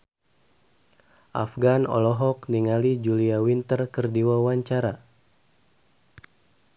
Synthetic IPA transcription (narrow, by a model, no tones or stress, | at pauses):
ʔa̰fɡanɔ̰lɔɦɔkniŋalid͡ʒuliawint̪ərkərdiwawaɲt͡ʃaɾa